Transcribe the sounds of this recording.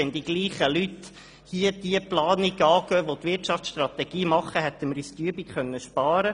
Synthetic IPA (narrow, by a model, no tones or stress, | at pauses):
ɛnd̥̪iɡ̥liːχəlyt | hiəd̥iəplɑːniɡ̥ɑːɡœːʋot̪ʋɪɾtʃɑftt͡ssʃtrɑt̪ɛɡ̥iːmɑχəɦɛt̪ːəmɾystyəbikχœnːəʃpɑːɾə